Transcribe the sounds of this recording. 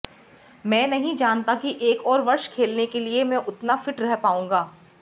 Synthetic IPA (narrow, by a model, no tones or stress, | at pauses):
mɛ̃ːnɐɦĩd͡ʒaːnt̪akiʔeːkɔːɾʋɐɾʃkʰeːlnekeliemɛ̃ːʔʊt̪nafɪʈɾɛɦpaːũːŋɡaː